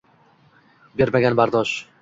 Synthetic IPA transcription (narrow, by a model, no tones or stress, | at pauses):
be̞ɾmaɡʲanbaɾd̪ɒʃ